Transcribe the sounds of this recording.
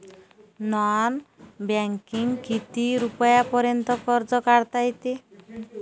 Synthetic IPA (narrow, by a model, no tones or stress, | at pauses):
nɔanbaŋkiŋkit̪iɾupɔjapɔɾjɔnt̪ɔkɔɾd͡ʒɔkaɾt̪ajt̪i